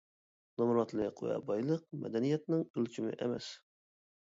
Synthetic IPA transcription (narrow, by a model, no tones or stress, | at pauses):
nɑmɾɑt̪lˠɨqʰo̰jɛ̰bɑjlˠəq̚mɛ̰d̪ɛnijɛt̪̚nɪŋølt͡ʃʰimɪ̰ʔɛmɛ̰s